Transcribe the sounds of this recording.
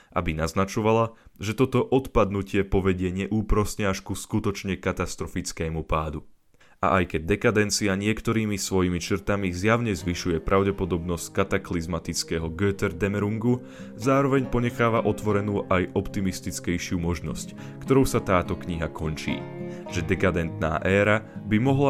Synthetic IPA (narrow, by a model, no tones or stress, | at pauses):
ʔa̰binaznat͡ʃɔʋalaʒɛt̪ɔt̪ɔʔɔt̪pad̪nucɪɛpɔʋɛɟɪɛɲɛʔuːpɾɔsɲɛaʃkuskut̪ɔt͡ʃɲɛkat̪ast̪ɾɔfit͡skɛːmupaːd̪u | ʔa̰ʔajkɛɟ̚d̪ɛkad̪ɛnt͡siaɲɪɛkt̪ɔɾiːmisʋɔjimit͡ʃr̩t̪amizjaʊɲɛzʋiʃujɛpɾʔaʊɟɛpɔd̪ɔbnɔsckat̪aklizmat̪it͡skɛɦɔɡøːt̪ɛɾd̪ɛmɛɾuŋɡu | zaːɾɔʋɛɲpɔɲɛxaːʋaʔɔt̪ʋɔɾɛnuːʔajʔɔpt̪imist̪it͡skɛjʃɪuːmɔʒnɔ̰sc | kt̪ɔɾɔʊsat̪aːt̪ɔkɲiɦakʰɔnt͡ʃḭːʒ̥ɛd̪ɛkad̪ɛnt̪na̰ːʔɛːɾabimɔɦla